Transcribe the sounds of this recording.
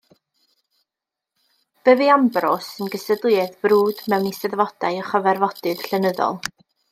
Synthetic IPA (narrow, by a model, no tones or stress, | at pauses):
b̥ɛvɨambrɔsənɡəsədlˠɨɛðb̥ruːd̥mɛwnisɛðvɔd̥ajɔχəvɛrvɔd̥ɨð̥ɬɛnəðɔ̰lˠ